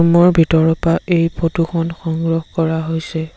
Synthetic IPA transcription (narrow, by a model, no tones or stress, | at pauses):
mɔɹbʱitɔɹɔpaejpʰotukʰɔnxɔŋɡɹɔhkɔɹaɦojsɛ